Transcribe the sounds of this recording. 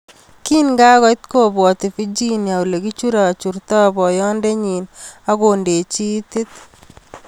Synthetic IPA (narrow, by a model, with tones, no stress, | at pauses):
ki˦nŋɡa˦ɣɔ˦jt̪̚ko˦bwɔ˨t̪i˨fi˦d͡ʒi˦nja˨u˨le˨ɡi˦t͡ʃu˦ɾa˨t͡ʃu˨rtɔ˦bɔ˨jɔː˦nde˦ɲi˨na˦ɡo˨nde˨t͡ʃi˦t̪ɪ˦t̪